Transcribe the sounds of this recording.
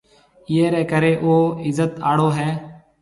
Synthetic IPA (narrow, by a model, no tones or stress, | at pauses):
ɪːeːɾɛːkəɾeːʔoːɪzət̪a̰ːɽoːɦɛː